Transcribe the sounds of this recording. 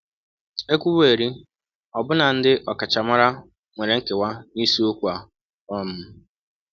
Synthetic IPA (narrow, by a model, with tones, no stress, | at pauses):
e˦kʷu˦be˨ɾi˦ | ɔ˨bʊ˦na˨n̩˦dɪ˦ʔɔ˨ka˨t͡ʃa˨ma˦ɾa˦ | ŋʷe˨ɾe˨ŋ̩˦ke˨wa˦ni˦su˦o˦kʷu˨˦a˨ | ɔ˦˨m̩˦